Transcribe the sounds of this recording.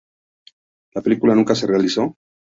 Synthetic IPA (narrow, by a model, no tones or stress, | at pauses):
lapelikulanuŋkaserealiso